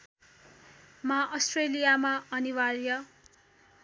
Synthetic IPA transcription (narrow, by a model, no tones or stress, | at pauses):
maʔʌsʈrelijamaʌniwarjʌ